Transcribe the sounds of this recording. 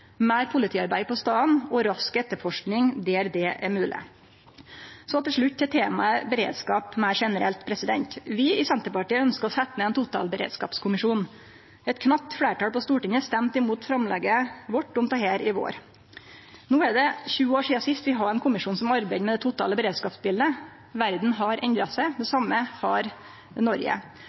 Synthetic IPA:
mæɪɾpʰʊlɪt̪ʰiːɑɾbæɪpɔst̪ɑːnɔɾɑskɛt̪ːəɾfɔʂknɪŋd̪eːɾd̪ɛːʔæmʉːlʔɪ̰ | sɔt̪ɪlʂɭʉt̪ʰːɪt̪ʰeːmɑəbəɾḛːd̪skɑːpmæɪɾʂɛnəɾɛ̰lt̪pʰɾɛsɪd̪ɛ̰nt̪ʋɪɪsɛnt̪əɾpɑʈiːəœnskəɔsɛt̪ːənəɛːnt̪ʰʊt̪ɑ̰ːlbəɾḛːd̪skɑ̰ːpskʰʊmɪʂuːn | ɛt̪kʰnɑp̚t̪fɽeːʈɑːlpɔst̪uːʈɪŋəst̪ɛmt̪ɪmuːt̪fɾɑmlɛɡəʋɔʈːʊmt̪ɑheːɾɪʋo̰ːɾ | nuːæɖɛçʉːəoːʂiːɑsɪst̪ʋɪɦɑɾɛnkʰʊmɪʂuːnsɔmɑɾbæɪd̪mɛd̪ɛt̪ʊt̪ʰɑ̰ːləbəɾeːd̪skɑːpsbɪld̪ə | ʋæɾd̪n̩ɦɑɾʔɛnd̪ɾɑsæɪd̪ɛsɑmːəhɑɾ | nɔɾjə̰

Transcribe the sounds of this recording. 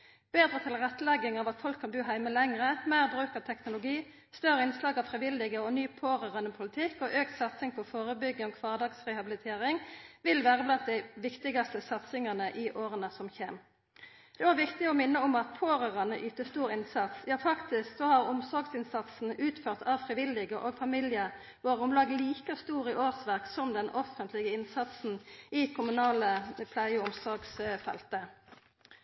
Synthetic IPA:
b̥eːd̪ʁət̪ʰɪlʁɛt̪ːlɛɡːɪŋɑʋɑt̪fɔlkʰːɑnbʉːɦæɪməlɛŋʁəmæɪʁbʁʉːkəʁt̪ʰɛknʊlʊɡiː | st̪œʁəɪnslɑːɡɑʋfʁɪʋɪld̪ɪɡəɔnyːpʰoːʁɑʁɑnəpʰʊlɪt̪ʰɪkːɔʔøːkt̪sɑt̪sɪŋpʰɔfoːʁəbʏɡːəoːkʰʋɑːʁd̪ɑɡsʁɛhɑbɪlɪt̪ʰeːʁɪŋʋɪlʋæːʁəblɑnt̪̚d̪æɪʋɪkt̪ɪɡɑst̪əsɑt̪sɪŋɑnəʔɪʔoːʁənəsɔmçeːm | d̪̥ɛʋɑːʁʋɪkt̪ɪɔmɪnːəɔmɑt̪̚pʰoːʁøːʁɑnəʔyːt̪əst̪uːʁɪnsɑt̪sjɑːfɑkt̪ɪsksɔhɑʁʊmsɔʁɡsɪnsɑt̪sn̩ʉːt̪føːʁt̪ʰɑʋfʁɪʋɪlɪɡəʔoːɡfɑmɪljə | ʋoːʁʊmlɑːɡliːkəst̪uːʁiʔoːʁsʋæʁksɔmd̪ɛnʔɔfənt̪lɪɡəɪnsɑt̪sn̩ɪkʰʊmʉnɑːləpʰlæɪəʊmsɔʁɡsfɛ̰lt̪ə

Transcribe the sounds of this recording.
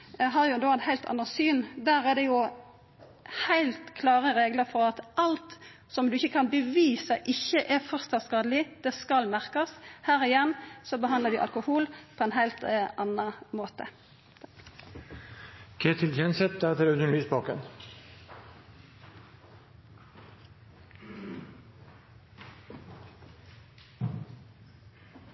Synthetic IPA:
ɦɑjʊd̪oːæt̪hæɪlt̪ʰɑ̰nːɑsyːnd̪æːʁɛd̪ɛjʊ | hæɪlt̪kʰlɑːʁəʁeːɡləɾfɔʁɑt̪ʔɑlt̪ | sɔmd̪ʉɪçːəkʰɑnbəʋiːsəʔɪçːəʔɛfɔʁst̪ɑskɑːd̪əlɪd̪̥ɛskɑlmæʁkɑshæːɾɪjɛnːsɔbəɦɑnd̪ləd̪ɪʔɑ̰lkʊhuːlpʰɔɛnɦæɪlt̪ɑnɑmoːt̪ə̰ | kʰeːt̪ʰɪlçʰɛnsɛt̪̚d̪æʁt̪ʰɪlœd̪ənlyːsbɑːkən

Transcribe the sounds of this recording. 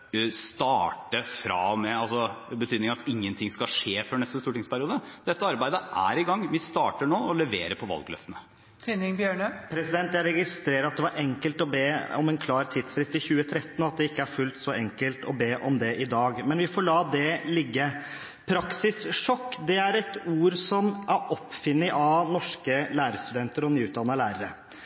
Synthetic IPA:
st̪ɑːʈəfɾɑ̰mɛɑlsɔbət̪ʰyːd̪nɪŋɑt̪ɪŋːənt̪ʰɪŋskɑʂeːfɔɾɳɛst̪əst̪uːʈɪŋspʰæɾɪuːd̪əd̪̥ɛt̪ːəɑɾbæɪd̪əʔæ̰ɾɪɡɑŋːʋɪst̪ɑːʈəɳoːɔlɛʋḛːɾəpʰɔʋɑ̰lɡlœ̰ft̪ənə | t̪ʰinɪŋbjøːɳəpʰɾɛsɪd̪ɛnt̪jæɪɾɛɡɪst̪ɾeːɾəɾɑt̪̚d̪ɛʋɑɾʔɛŋkəlt̪ɔbeːɔ̰mɛnkʰlɑːɾt̪ʰɪd̪sfɾɪst̪ɪçʉːət̪ʰɾɛt̪ːənɑt̪̚d̪ɛɪkːəæɾfʉlt̪sɔʔɛŋkəlt̪ɔbeːʔɔmd̪ɛʔɪd̪ɑːɡmɛnʋɪfɔɭɑːd̪ɛlɪɡːə | pʰɾɑksɪsʂɔkːd̪ɛæɾɛt̪uːɾsɔmʔæɾʔɔpːfɪnːɪʔɑnɔʂkəlæːɾəst̪ʉd̪ɛnt̪əɾɔnyːʉːt̪̚d̪ɑnːəlæːɾəɾə

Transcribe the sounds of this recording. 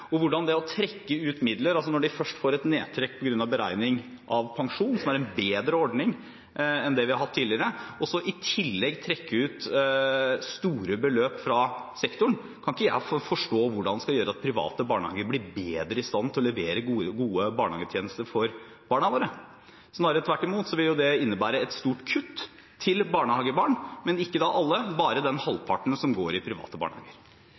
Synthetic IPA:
ɔʋʊɖɑnd̪ɛɔt̪ʰɾɛkːəʉːt̪mɪd̪ləɾɑlsɔnɔɖɪfœʂʈfoːɾɛt̪neːt̪ʰɾɛk̚ːpʰɔɡɾʉnːɑʋbəɾæ̰ɪnɪŋ | ʔɑʋpʰɑŋʂuːnn̩sɔmæɾɛnbeːd̪ɾəɔɖnɪŋ | ɛnd̪ɛʋɪhɑɾɦɑt̪ʰːiːlɪəɾəʔɔsɔʔɪt̪ʰɪlːɛɡt̪ʰɾɛkːəʉːt̪ | st̪uːɾəbəløːpfɾɑsɛkt̪ʊɳ | kʰɑnɪkːəjæ̰ɪffɔʂʈoːʋʊɖɑnɛskɑljøːɾəɑt̪̚pʰɾɪʋɑ̰ːt̪əbɑːɳəhɑ̰ːɡəɾblɪɾbeːd̪ɾəɪst̪ɑnt̪ʰɔlɛʋeːɾəɡuːəbɑːɳəhɑːɡət̪ʰjeːnəst̪əɾfɔɾ | b̥ɑːɳɑʋoːɾə | snɑːɾət̪ʰʋæʈːɪmuːt̪sɔʋɪljʊd̪ɛɪnːəbæːɾəɛt̪st̪uːʈkʰʉt̪ʰː | ɪlbɑːɳəhɑːɡəbɑːɳmɛnɪkːəd̪ɑʔɑlːəbɑːɾəd̪ɛnhɑlːpʰɑʈɳ̩sɔmɡoːɾɪpʰɾɪʋɑ̰ːt̪əbɑ̰ːɳəhɑ̰ːɡəɾ

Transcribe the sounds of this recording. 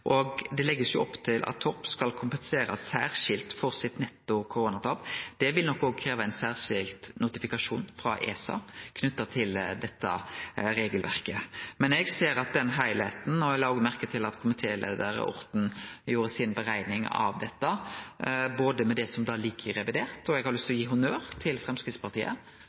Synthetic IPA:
ʔɔɡd̪ɛlɛɡːəsjʊɔpːt̪ʰɪlʔɑ̰t̪ʰːɔpskɑlkʰʊmpənseːɾɑssæːʁʂɪlt̪fɔʁsɪt̪nɛt̪ːʊkʰʊɾoːnɑt̪ʰɑpd̪̥ɛʋɪlnɔkːoːɡ̚kʰɾeːʋɑəæɪnsæːʁʂɪlt̪nʊt̪ɪfɪkɑʂuːnfɾɑ̰ʔḛːsɑ̰kʰnʉt̪ːɑt̪ʰɪld̪ɛt̪ːɑ̰ɾeːɡəlʋæ̰ʁkəmɛnɛɡseːɾɑt̪̚d̪ɛnɦæɪlheːt̪n̩ɔɛlɑːoːɡmæʁkət̪ʰɪlɑt̪kʰʊmɪt̪ʰeːlḛːd̪əɾə̰ɔ̰ɾt̪n̩juːɾəsɪnbəɾæɪnɪŋɑ̰ʋd̪ɛt̪ːə | boːd̪əmɛd̪ɛsɔmd̪ɑːliːkʰːəɾɛʋɪd̪eːʁt̪ɔɛɡhɑɾlʉst̪ɔjiːɦʊnøːɾt̪ʰɪlfʁɛmskɾɪt̪spɑʁt̪ʰiːʔə̰

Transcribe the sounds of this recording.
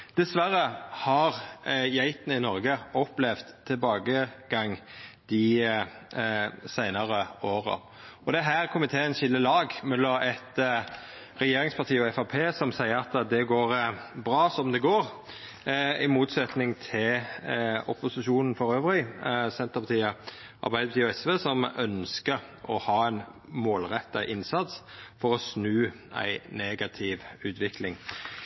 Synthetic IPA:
d̪̥ɛsʋæɾəhɑʁjæɪt̪nəɪnɔɾɡəɔplɛʋd̪ʰːɪlbɑːɡəɡɑŋːd̪̥ɪ | sæɪnəɾəoːʁə̰ | ɔd̪ɛɦæːʁkʰʊmɪt̪ʰeːənçɪlːəlɑːɡmɛlːɔɛt̪ | ɾɛjeːɾɪŋspʰɑʁt̪ʰiːɔɛfɑpʰeːsɔmsæɪəɾɑt̪d̪ɛɡoːɾbɾɑːsɔmd̪ɛɡoːɾ | ɪmuːt̪sɛt̪nɪŋt̪ʰɪl | ɔ̰pʊsɪʃuːnn̩fɔɾøːʋɾɪsɛnt̪əpʰɑt̪ʰiːə | ʔɑ̰ʁbæɪd̪əpɑt̪iːɔɛsʋeːsɔmœnskə | ʔɔ̰hɑːæɪn | moːlʁɛt̪ːɑʔɪnsɑt̪sfɔʁɔsnʉː | æ̰ɪneːɡɑt̪ʰɪʋʉːt̪ʋɪklɪŋ

